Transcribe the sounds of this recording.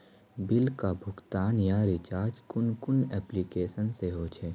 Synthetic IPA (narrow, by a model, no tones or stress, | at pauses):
bɪlkabʱʊɡt̪aːnjaɾɪt͡ʃaːɾd͡ʒkʊnkʊnɛːplikeːʃənseɦoːt͡ʃʰeː